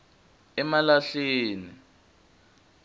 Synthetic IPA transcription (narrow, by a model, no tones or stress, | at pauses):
ɛmalaɬeːni